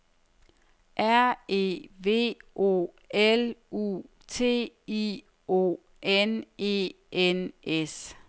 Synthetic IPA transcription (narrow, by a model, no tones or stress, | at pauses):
ʔæɐ̰e̝̰ːʋe̝̰ːʔo̝̰ | elṵ | t͡sʰe̝̰ːi | o̝̰ː | ʔene̝̰ː | ʔenʔes